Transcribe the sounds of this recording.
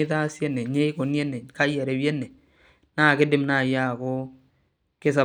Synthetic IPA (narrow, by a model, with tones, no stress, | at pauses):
ɪ˦ta˦sje˦nɛ˨ɲe˦ko˨njɛ˦ne˨ka˦jɛ˨ɾe˨wjɛ˦nɛ˨ | naː˦˨kɪ˦dɪ˦mna˦˨ja˦˨ko˦ | kɪ˦sa˨